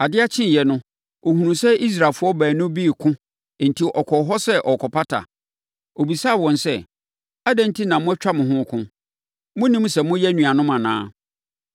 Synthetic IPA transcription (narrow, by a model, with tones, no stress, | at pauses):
a˨dɪ˦a˦t͡ɕʰɪ̃˦n˨jɛ˨nʊ̃˦ | o˨hũ˨nũ˨sɛ˦ʔi˦s̬ɾa˨lfʊ˦ɔ˦bæː˨nʊ̃˦bi˦˨kʰʊ̃˦˨ | n̩˨tʰi˨ʔɔ˨kʰɔ˨ɦɔ˦sɛ˦ʔɔ˨kʰɔ˨pʰa˦tʰa̰˨ | o˨bi˨saː˦˨wɔ̃˨nsɛ˦˨ | a˦dɛ̃˦n˦tʰi˦nã˨mʊ̃˦ɛ˦t͡ɕᶣa˦mʊ̃˨ɦʊ̃˦kʰʊ̃˦ | mʊ̃˦nĩ˦m˦sɛ˨mʊ̃˦jɛ˦nũ˨a˨nʊ̃˦mã˨nã̰ː˦